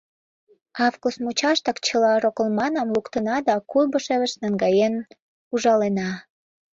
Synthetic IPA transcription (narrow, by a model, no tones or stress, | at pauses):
ɑvkusmut͡ɕɑʃt̪ɑkt͡ɕəlɑɾokəlmɑnɑmlukt̪ənɑd̪ɑkulbəʃeβə̆ʃnɑŋɡɑjen | uʒɑlenɑ